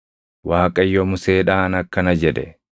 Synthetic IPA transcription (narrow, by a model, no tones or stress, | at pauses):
waːkʼɐjːɔmʊseːᶑaːnɐkːɐnɐd͡ʒɛd̪ɛ̰